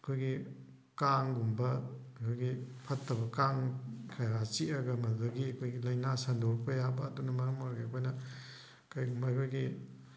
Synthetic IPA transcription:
ɐkʰojɡi | kaŋɡumbɐkʰojɡipʰɐtʰːɐbɐkaŋkʰajɾat͡ʃiɐɡɐmɐlɡɐɡiɐkʰojɡilɐjnasɐndoɾpʰɐjabɐːdunɐmɐɾɐmaɾɡeɐkʰojnɐ | kajɡumbɐjkʰojɡi

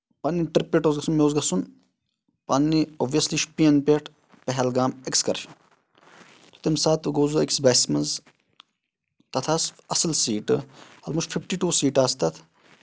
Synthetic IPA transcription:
pɐnːiʈɾpːeʈoːzɡɐsunmeoːzɡɐsun | pɐnːioʋijɐsliʃpiɐnpeʈ | pɛɦɛlɡaːmekskɐɾʃɐn | t̪o̥t̪emsaːt̪ʰɡoːzueksbasmɐnz | t̪ɐt̪ʰɐsɐsɐlsiːʈɐlmuʃfʰifʈiʈuːsiːʈaːst̪ɐt̪ʰ

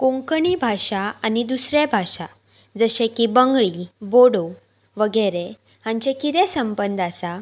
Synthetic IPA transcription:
kõŋkəɳiːbʱaɕaanid̪usɾebʱaʂa | d͡zəɕẽkibəŋɡɭiboɽo | ʋəɡəɾe | ɦãɲt͡ɕekit̪ẽsəmbənd̪asa

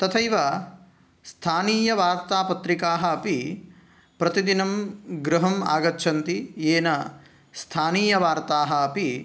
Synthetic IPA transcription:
t̪ɐt̪ʰɐiʋa | st̪ʰaːniːjɐʋaːɾt̪aːpɐt̪ɾikaːɦɐːpi | pɾɐt̪id̪inɐmɡɾɐɦɐma̰ːɡɐtːʃʰɐnt̪ijeːnɐ | st̪ʰaːniːjɐʋaːɾt̪aːɦɐɐpi

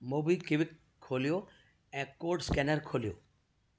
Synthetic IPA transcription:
mobikiʋikʰː | olijo | ɛ̃ːkoɾɖskɛnəɾkʰolijo̰

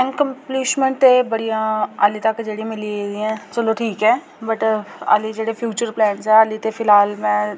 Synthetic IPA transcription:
ɪ̃nkə̃mpliːsmə̃ɳʈt̪ebəɽijãːaːlit̪əkːd͡ʒeːɽimɪlieɾiɛ̃ːt͡ʃəloːʈʰiːkɦɛː | bəʈa̰ːlid͡ʒeːɽepʰjuːt͡ʃəɾplɛːʈsɛːalit̪epʰɪlaːlmɛ̃ː

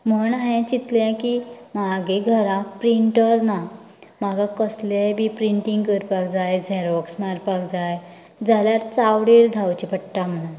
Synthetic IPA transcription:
m̤əɳaɦẽt͡ɕit̪lɛ̃kimaɡeɡʱəɾãk̚pɾiɳʈəɾna | maɡakəslebipɾiɳʈiŋɡkəɾpakd͡zajd͡zʱɛɾɔksmaɾpakd͡zaj | d͡zʱaljaɾt͡sawɽiɾd̪ʱawt͡ɕipəʈʈam̤əɽ̃un

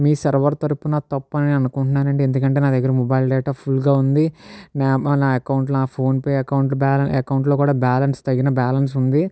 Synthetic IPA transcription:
miːsɐɾʋɐɾt̪ɐɾupunɐt̪ɐpːɐniɐnukuɳʈunːaːnɐɳʈiend̪ukɐɳʈeːnaːd̪ɐɡːɐɾɐmɔbɐjlɖɛːʈaːpʰulɡaːund̪inaːnaːɐkɐwɳʈ̬lunaːpʰo̞ːnpeːɐkɐwɳʈ̬ubaːlɐɐkɐwuɳʈlo̞ːkuːɽaːbaːlɐnst̪ɐɡːinɐbaːlɐns̬und̪i

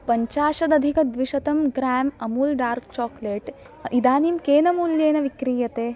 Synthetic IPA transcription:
pɐɲt͡ʃaːʃɐd̪ɐd̪ʱikɐd̪ʋiʃɐt̪ɐmɡɾaːmɐmuːlɖaːɾkt͡ʃɔːkleʈ | ʔid̪aːnimkeːnɐmuːljeːnɐʋikɾiːjɐt̪eː

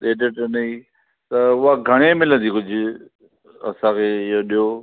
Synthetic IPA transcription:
ɗeːɖɪʈnɐiː | t̪ɐʊɦaɡʱɐɽ̃emɪlə̃nd̪iːkʊd͡ʑʱʊ | ɐ̰sãːkʰeːɪɦoɗijo

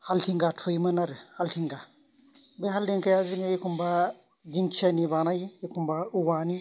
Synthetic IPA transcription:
haltiŋɡatfojmɐnaɾɛhaltiŋɡa | bɛɦaldinkajaziŋɡajikumba | d͡ʒiŋt͡ʃanibanajijikumbauwani

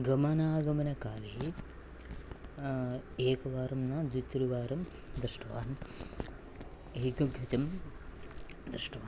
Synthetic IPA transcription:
ɡɐmɐnaːɡɐmɐnɐkaːliɦi | eːkɐʋaːɾɐmnaːd̪ʋit̪ːuɾiʋaːɾɐm | d̪ɾɨʂʈɐʋa̰ːn | ɦik̪uɡʱɐt̪ɐm | d̪ɾɨʂʈɐʋaːn

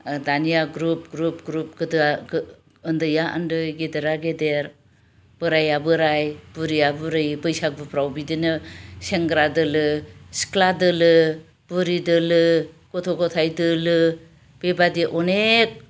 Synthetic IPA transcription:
danijaɡɾup̚ɡɾup̚ɡɾup̚ɡɯd | ɯndɯjaʔɯndɯjɡedeɾaɡedeɾ | b̥ɯɾajabɯɾajbuɾiabɯɾɯjbɯjsak̚bɯpʰɾawbidinɯseŋɡɾadɯlɯsi̥kʰladɯlɯ | b̥uɾidɯlɯ | kɔtʰoɡɔtʰajdɯlɯ | b̥ebadiʔɔnek̚

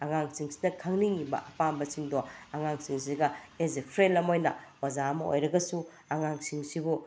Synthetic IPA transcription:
aŋaŋsiŋsi̥dɐkʰaŋniŋibɐ̰ʔɐpambɐsiŋdoaŋaŋsiŋs̬iɡɐezepʰɾenlːɐmojnɐ̰wazaɐmɐo̰jɾɐɡɐsu | aŋaŋsiŋsibu

